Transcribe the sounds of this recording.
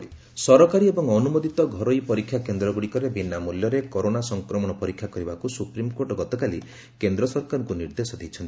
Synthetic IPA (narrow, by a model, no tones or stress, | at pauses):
i | sɔɾɔkaɾiebɔŋɔnumod̪it̪ɔɡʱɔɾojpɔɾikʰːjakend̪ɾɔɡuɽikɔɾebinːamuljɔɾekɔɾonasɔŋkɾɔmɔɽ̃ɔpɔɾikʰːjakɔɾibakusupɾimkoʈɔɡɔt̪ɔkali | kend̪ɾɔsɔɾkaɾɔŋkuniɾd̪esɔd̪ejt͡ʃʰɔnt̪i